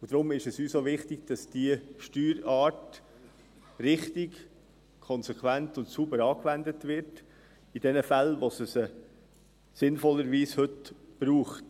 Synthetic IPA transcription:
ʊd̥ɾʊmɪʃɛsyːsoʋɪχtɪɡ̥d̥ɑsd̥iəʃtyːɾɑːt | ɾɪχtɪɡ | kʰɔnsɛkʰʋæntʊntsubəɾɑːkvændətʋɪɾt | id̥ɛnəfælʋosəsə | sɪnfɔlːəɾʋiːshɵtb̥ɾuːχt

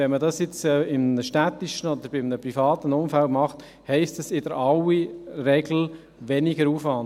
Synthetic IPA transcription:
ɛnmədɑsjɪt͡sɛɪmnəʃtæt̪iʃənɔd̪əɾb̥ɪmnəpɾifɑːt̪ənʊmfælmɑχt̪ | hɛɪstəsɪdəɾɑwiɾɛɡl̩ | ʋɛniɡəɾuːfvɑnd

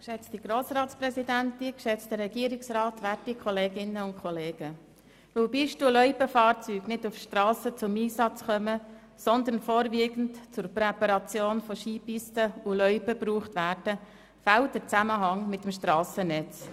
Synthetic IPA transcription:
kʃɛt͡stiɡ̥ɾoːsɾɑːtt͡spɾɛsidæntikʃɛt͡std̥əɾːɛɡ̥iːəɾɪksɾɑːtʋætikʰɔleːɡɪnːəʊntkʰχɔleːɡ̥ə | ʋølbiʃtulœʏpəfɑːɾt͡syːɡnɪdufʃtɾɑːsət͡sʊmiːsɑt͡sχœmə | sɔnd̪ənfoːɾviəɡn̩tt͡sʊɾpɾɛpɑɾɑt͡sjoːnfɔʃiːpistəʊlœʏpəbruːχtʋæːɾd̥ə | fælt̚dəɾt͡sæməɦɑŋmɪtəmʃtɾɑːsənɛt͡s

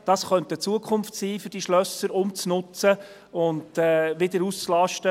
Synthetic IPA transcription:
d̥ɑsχœntət͡suəkʰχʊmftsiːfʏɾd̥iʃlœsəɾʊmt͡snʊt͡sə | ʊntɛʋɪdəɾust͡slɑʃtə

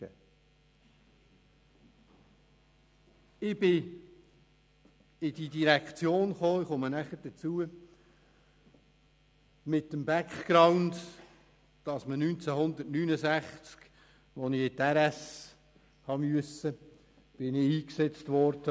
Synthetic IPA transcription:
ɪb̥ɪ | ɪd̥idiɾækʰt͡sjoːnχoːɪχʊmənæχəɾd̥ət͡suə | mɪtːəmbækχkɾaʊnd | d̥ɑsmənynt͡sæhʊnd̪ətnynəzæχt͡sk | ʋɔnɪɪt̪ɛɾæs | hɑmyəsə | b̥ɪnɪiːksɛt͡stʋɔɾd̥ə

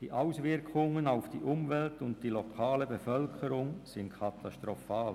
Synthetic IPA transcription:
d̥iːʔaʊsʋɪɾkʰʊŋənaʊfd̥iːʔʊmvɛltʊnt̚d̥iːlɔkʰɑːləbəfœlkʰəɾʊŋsɪntkʰɑt̪ɑʃtɾɔfɑːl

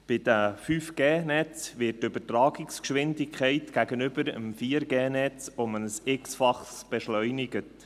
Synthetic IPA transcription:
b̥ɪd̥əfyfɡ̥eːnɛt͡sʋɪtːʏbətɾɑːɡɪkskʃʋɪndɪkʰχɛɪtɡ̥æɡənʏbəɾəmfiːəɾɡeːnɛt͡sʊmənəsɪksfɑχssb̥ɛʃlœʏnɪɡət

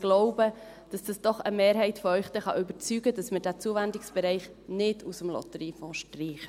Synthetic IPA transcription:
ɡ̥loʊbə | d̥ɑsd̥ɑsd̥ɔχə̰meːɾɦɛɪtfɔœʏχd̥ɛχɑ̰ʔʏbət͡syɡəd̥ɑsmədæt͡suəvændɪksb̥ɛɾɛɪχ | nɪdusəmlɔ̰t̪əɾiːfɔ̃ːʃtriːχə

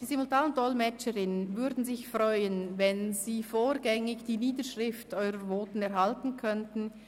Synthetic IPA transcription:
d̥iːzimʊltaːnənd̥ɔlmɛt͡ʃəʁɪnənvʏɾdn̩zɪçfrɔʏənvɛnziːfoːɾɡɛŋɪçd̥iːniːdəʃʁɪftɔʏʁəɾvoːtn̩ɛʁhaltn̩kʰœntn̩

